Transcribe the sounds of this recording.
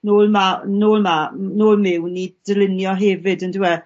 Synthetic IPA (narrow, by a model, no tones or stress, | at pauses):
noːlˠmanoːlˠmanoːlˠmɪwnid̥əlˠɪnjɔɦɛvɨdəndɪwɛ